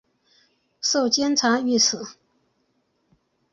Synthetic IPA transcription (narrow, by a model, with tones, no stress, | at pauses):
so˥˩ʊt͡ɕjɛ˥nt͡sʰa˧˥y˥˩s̩ʰ˨˩˦